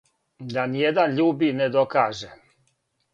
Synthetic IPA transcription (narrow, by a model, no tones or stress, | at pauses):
d̪anijed̪anʎuːbined̪okaːʒe